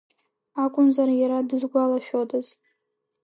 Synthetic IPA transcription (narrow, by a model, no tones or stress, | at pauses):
akʷʼʊnzaɾajaɾadɨzɡʷalaʃᶣodʼaz̥